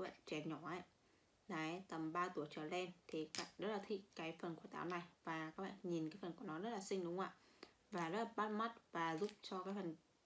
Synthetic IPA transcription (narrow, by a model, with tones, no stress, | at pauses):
k̚ːɓa̰ː˧˨nt͡ɕɛ˨˩ɲɔ˧˩ʔaː˧˨j | laː˨˦jt̪ə˨˩mɓaː˧t̪u˧˩əjt͡ɕəː˧˩lɛ˧nt̪ʰe˨˩ka˧˩˨zə˦˥t̚laː˨˩t̪ʰḭ˧˨kaː˨˦jfə˨˩nku˧˩ət̪aː˨˦wna˨˩jvaː˨˩kaː˦˥ɓa̰ː˧˨nɲi˨˩nkaː˨˦jfə˨˩nku˧˩ənɔ˨˦zə˦˥t̚laː˨˩sï˧ŋ̟ɗʊ˨˦ŋ͡mʔa̰ː˧˨ | vaː˨˩zə˦˥t̚laː˨˩ɓa˦˥t̚ma˦˥t̚vaː˨˩zʊ˦˥p̚t͡ɕɔ˧kaː˨˦jfə˨˩n